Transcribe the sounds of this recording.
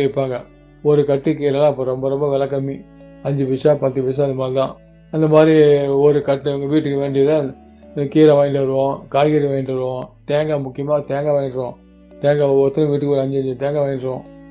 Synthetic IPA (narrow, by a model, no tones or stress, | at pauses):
ɪpːaːŋɡɐ | ɔɾɯkɐʈːikiːɾɐlãːɪpːɐːɾɔmbɐɾɔmbɐʋɛlɐkːɐmi | ɐɲd͡ʒɯpɪʂaːpɐt̪ːɯʋɪs̬aɐðɯmaːlt̪ãː | ɪnd̪ɐmaːd̪ɾiɔɾɯkɐʈːɯʋɐŋɡɐʋiːʈːɯkːɯʋeːɳɖɪjɐðɯ | kiːɾɐʋaːʈɐɾɯõːkaːjɣɪɾiʋeːɖɐɾʋõt̪eːŋɡɐmʊkːɪjɐmaːt̪eːŋɡɐʋeːɖɾõː | t̪eːŋɡɐɔt̪ːɐɾʊ̃ʋiːʈːɯkːɯɔɾɐɲd͡ʒɯɐɲd͡ʒɯt̪eːŋɡɐʋeːɖɾõː